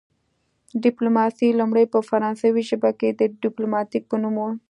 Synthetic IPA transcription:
ɖɪplomɑsilumɽəjpəfaɾɑ̃nsawiʒəbaked̪əɖɪplomɑt̪ik̚pənumwo

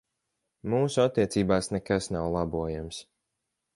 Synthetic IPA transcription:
muːsuat̪ːiɛt̪siːbaːsnɛkasnawlˠabuɔjams

